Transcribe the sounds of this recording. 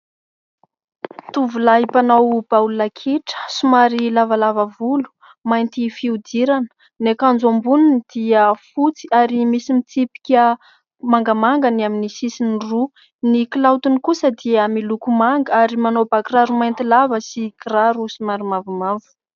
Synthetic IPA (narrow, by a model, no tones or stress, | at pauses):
t̪uvulaipanawb̥aulunakʰiʈ͡ʂə̥sumaɾilavalavavulu̥ | majnt̪ifiud̪iɾanə̥ | nekand͡zombununid̪̥iəfut͡siaɾimisimit͡sipi̥kʲə | maŋɡəmaŋɡanaminisisiniru | niklawt̪unikusəd̪iəmilukumaŋɡaɾimanobakraɾumajnt̪ilavəsikraɾusumaɾimavumavu̥